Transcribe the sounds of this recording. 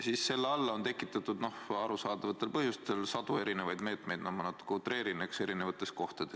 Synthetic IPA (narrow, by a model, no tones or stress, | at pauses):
sisːe̞lːeɑlːɑont̪e̞kːˑit̪ːˑɑt̪ːud̪̥no̞hɑɾusɑːd̪̥ɑvɑt̪ːˑe̞lpɤɦjust̪e̞lsɑd̪ue̞ɾinevɑjd̪̥me̞ːt̪ˑme̞jd̪nɑmːɑnɑt̪ːu̥kːut̪ːˑɾe̞ːɾinekse̞ɾine̞vɑt̪ːˑe̞sko̞ht̪ɑd̪̥es